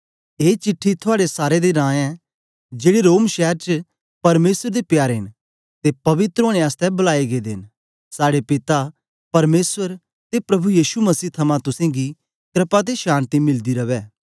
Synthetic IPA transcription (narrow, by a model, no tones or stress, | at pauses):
eːt͡ʃɪʈʰːit̪ʰʊaːɽesaːɾed̪eɾãːɛ̃ | d͡ʒeːɽiɾoːmʃɛːɦɾt͡ʃ | pɐɾmeːsəɾd̪epjaːɾɦɪn | t̪epɐʋɪt̪ɾoːɽ̃ẽaːst̪ɛbɐlaːeɡed̪ɪn | saːɽepɪt̪a | pɐɾmeːsʋəɾ | t̪epɾɐbujiːʃumɐsiːt̪ʰɐmãt̪ʊsɛ̃ːɡi | kɾɪpat̪̬eʃaːnt̪imɪld̪iɾɐʋɛː